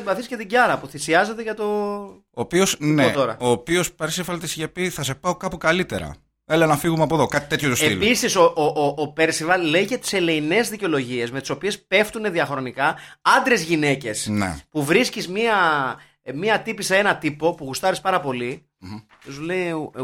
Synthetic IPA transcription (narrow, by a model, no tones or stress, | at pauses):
vɐθisce̞t̪iɟɐɾɐpuθisiɐze̞t̪e̞ʝɐt̪o̞ | oːpio̞sneot̪oɾɐ̰o̞ːpio̞speɾsivɐlt̪isʝepiθɐsepɐokɐpukɐlit̪e̞̰ɾɐ̰ | elenɐfiɣumeɐpo̞ðokɐt̪i̥t̪e̞t̪çot̪useilpisisoʔoʔoʔːpe̞ɾsivɐlle̞iʝɐt̪i̥se̞le̞ine̞zðiceo̞lo̞ʝie̞sme̞t̪i̥so̞pie̞spe̞ft̪une̞ðiɐxɾo̞nikɐɐnd̪ɾe̞zʝine̞ce̞snḛpuvɾiscizmiɐ | miɐt̪ipisee̞nɐt̪ipo̞puɣust̪ɐɾispɐɾɐpo̞li | osulei